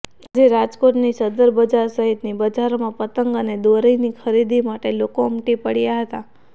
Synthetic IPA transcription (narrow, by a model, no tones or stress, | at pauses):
əd͡ʒeɾad͡ʒkoʈnisəd̪əɾbəd͡ʒaɾsəɦit̪nibəd͡ʒaɾmãpət̪əŋɡəned̪oɾəinikʰəɾid̪imaʈelokomʈipəɽjaɦət̪a